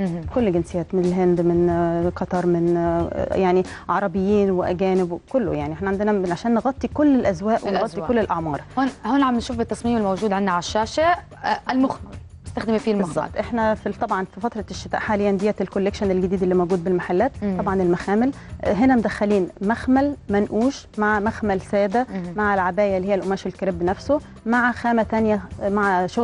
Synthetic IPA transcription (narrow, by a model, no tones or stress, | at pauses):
kolːɡɪnsejːæːt̪mɪnɪlɦend̪mɪnqɑt̪ˤɑɾˤmɪnjaʕniʕɑɾˤɑbɪjːiːnweʔæɡæːnɪbwkʊlːo̰jaʕniʔeħnæʕand̪ɪnæʕaʃæːnːeɣɑt̪ˤːikʊlːelʔæzwæːʔwnɣɑt̪ˤːikolːelʔɑʕmɑːɾˤhonhoːnʕamnʃuːfbɪt̪ːɑsˤmiːmelmowd͡ʒuːd̪ʕɪnːaʕaaʃːæːʃa | lmʊx | ɪst̪axd̪ɪmifiːlmɑzːɑ̰bt̪ˤʔeħnæfit̪ˤɑbʕɑnfifɑt̪ɾˤɑʃːɪt̪æ̰ːʔħaːlejːænd̪ijːælkolːekʃænɪlɡɪd̪iːd̪elːiːmowɡuːd̪̚bɪlmaħalːæːt̪t̪ːˤɑbʕɑnɪlmæxæːmɪl | ɦenæmd̪æxːæliːnmæxmælmænʔuːʃmaʕmæxmælsæːd̪æmaʕɪlʕabæːjælːiːheːælʔomæːʃelkæɾebːnæfso | maʕxæːmæt̪ænjæmaʕʃo